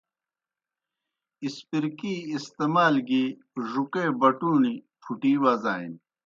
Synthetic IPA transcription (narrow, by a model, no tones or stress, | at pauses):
ispiɾkiːst̪eːmaːlɡi | ʐukebɐʈuːni | pʰuʈiːwaːzaːḭn